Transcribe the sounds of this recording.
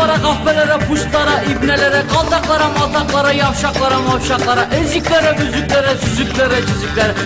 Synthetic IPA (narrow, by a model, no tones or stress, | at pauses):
ɑɾɑʁɑfpɛlæɾɪpʰuʃt̪lˠɑɾɑʔibnɛlæɾɪqɑlˠd̪ɑqlˠɑɾɑmɑt̪ʰɑqlˠɑɾɑjɑwʃɑqlˠɑɾɑmɑwʃɑqlˠɑɾɑʔɪzɪkʲlæɾɪbyzykʲlæɾɪsyzykʲlæɾɪd͡ʒyzɪkʲlæɾɪ